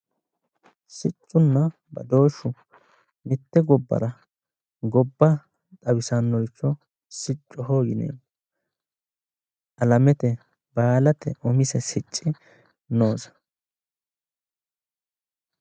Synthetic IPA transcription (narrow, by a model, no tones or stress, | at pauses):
sɪt͡ʃʼːʊnːɐ | bɐ̰d̪o̞ːʃːʊ | mɪt̪ːɛɡɔbːɐ̰ɾɐ | ɡɔbːɐ | t̪ʼɐwɪsɐnːɔɪt͡ʃːɔ | sɪt͡ʃʼːɔɦoːɡɪnḛː | ʔɐlɐmɛt̪ɛ | baːlɐt̪ʰɛ̰ʔɔmɪsɛsɪt͡ʃʼːɪ | no̞ːzɐ̥